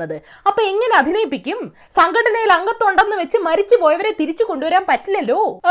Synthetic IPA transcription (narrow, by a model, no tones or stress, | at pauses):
ɐðɨ | ɐpːoːeŋːɐne̞ɐd̪ʱinɐjipːikʲːum | sɐŋɡɐɽɐnɐjilɐŋɡɐt̪ːoɳɖenːɨʋe̞t͡ɕːɨmɐɾit͡ɕːɨpo̞ːjɐʋɐɾe̞ːt̪iɾit͡ɕːuko̞ɳɖuʋɐɾaːmpɐtːilːɐlːo̞ː